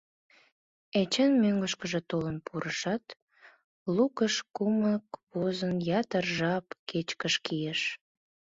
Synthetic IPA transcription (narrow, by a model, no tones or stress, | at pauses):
et͡ɕenmøŋɡəʃkəʒet̪olənpʰuɾəʃɑt̪ | lukəʃkuməkβozənjɑt̪ərʒɑpket͡ɕkəʃkijeʃ